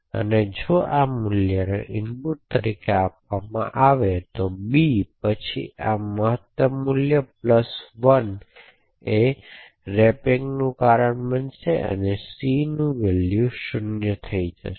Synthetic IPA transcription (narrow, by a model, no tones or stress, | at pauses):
ə̰ned͡ʒoʔamʊljəneʔɪnpuʈt̪əɾikeapʋamã̰ʔaʋet̪obipət͡ʃʰḭaməɦət̪ːəmːuljəp̚ləsʋən | e | ɾɛpiŋɡnũkaɾəɳbənʃeʔə̰nesinũʋeljuʃʊnjət̪ʰəid͡ʒə̰ʃ